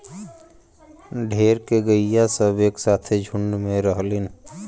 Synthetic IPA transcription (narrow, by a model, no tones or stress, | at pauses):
ɖʱeːɾkeɡəijasəbeːksaːt̪ʰed͡ʒʱʊɳːmẽɾəɦlin